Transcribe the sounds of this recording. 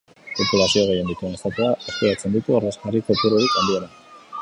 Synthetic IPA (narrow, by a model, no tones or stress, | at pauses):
po̞pulasioɣ̞e̞je̞nd̪it̪uensat̪uaesk̪eɾat͡se̞nd̪it̪uareskarikot̪uɾoɾikand̪ieɾa